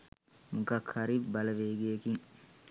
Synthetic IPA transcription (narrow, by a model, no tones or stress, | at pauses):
mukɐkhɐɾibɐlɐʋeːɡeːkiŋ